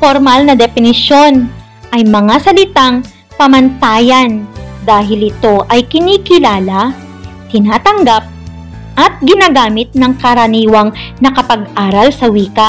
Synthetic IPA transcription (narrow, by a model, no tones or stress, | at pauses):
foɾmalnɐd̪ɛfɪnɪʃo̞n | ʔɐjmɐŋasɐlɪt̪aŋ | pɐmɐnt̪aːjɐnd̪aːɦɪlɪt̪o̞ʔɐjkɪniːkɪlaːla | t̪ɪnaːt̪ɐŋɡap̚ | ʔɐt̪̚ɡɪnaɡaːmɪt̪̚nɐŋkɐɾɐniːwɐŋnɐkɐpɐɡʔaːɾɐlsɐwiːkɐ